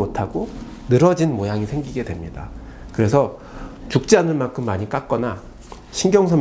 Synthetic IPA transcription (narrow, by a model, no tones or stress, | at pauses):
motʰaɡo | nɯɾʌd͡ʑinmojaŋisʰe̞ŋɡiɡe̞dwemɲida | kɯɾe̞sʰʌ | t͡ɕuk̚t͡ɕ͈anɯɭmankʰɯmːaɲik͈ak̚k͈ʌna | ɕʰinɡjʌŋsʰʌ